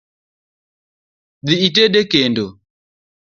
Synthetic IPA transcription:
ðiit̬ɛɗɛkɛndɔ

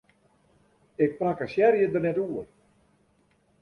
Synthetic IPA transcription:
ɪk̚prakəsjɛrjədərnɛtuər

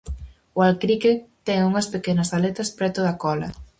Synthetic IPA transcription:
ʊalkɾiket̪ɛŋuŋɐspekenɐsalɛt̪ɐspɾɛt̪oðakɔlɐ̰

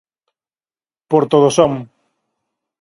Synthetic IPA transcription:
poɾt̪oð̞osɔm

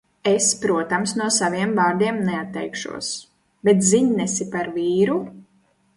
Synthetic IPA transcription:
espɾuɔt̪amsnuɔsaviɛmvaːɾd̪iɛmnɛat̪ːɛjkʃṵɔs | bɛt̪ziɲnɛsipaɾviːɾu

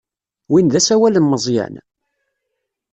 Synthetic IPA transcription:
winðæsæwælənːəzˤjæ̰n

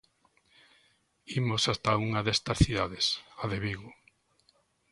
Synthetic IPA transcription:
imosast̪auŋaðest̪ɐsθiðaðesaðeβiɣo

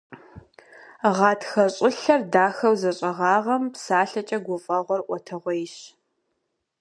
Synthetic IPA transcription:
ʁɑːtʰxɐɕʼɪɬɐrdaːxɐwzɐɕʼɐʁɑːʁɐmpsaːɬɐt͡ʃʼɐɡʷʊfʼɐʁʷɔrʔʷɔtʰɐʁʷɔjɪɕ

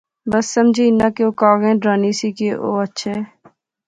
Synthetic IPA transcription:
bəsːəmd͡ʒʱiːnãːkeoːkaːɣɛ̃ːɖɾaːniːsiːkeʔo̰ːətːʃʰɛː

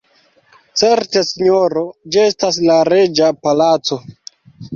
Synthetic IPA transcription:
t͡seɾte̞siɲoɾo̞d͡ʒiestaslaɾe̞d͡ʒapalat͡so̞

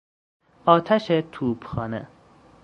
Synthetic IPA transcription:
ɒːt̪ʰæʃet̪ʰuːbxɒːnḛ

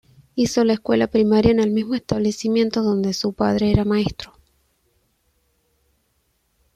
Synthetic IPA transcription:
iso̞laeskwe̞lapɾimaɾjaene̞lmizmoest̪aβle̞simje̞nt̪oðo̞nd̪esupað̞ɾeeɾamae̞st̪ɾo

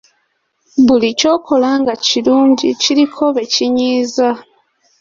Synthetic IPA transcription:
βulico̞ːkʰo̞laːŋɡaciluːɲɟiciɾikʰo̞βe̞ciɲiːza

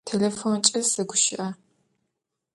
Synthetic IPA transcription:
tʰelefont͡ʃʼɪsɐɡʷʊʃɪʔɐ

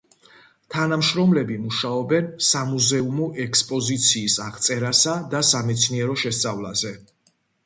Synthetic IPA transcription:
t̪ʰanamʃɾɔmlɛbimuʃaɔbɛnsamuzɛumɔʔɛkspʼɔzit̪sʰiːsaʁt̪sʼɛɾasad̪asamɛt̪sʰniɛɾɔʃɛst̪sʼavlazɛ

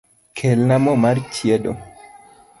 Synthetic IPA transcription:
kʰelnamɔmart͡ʃjedo̰

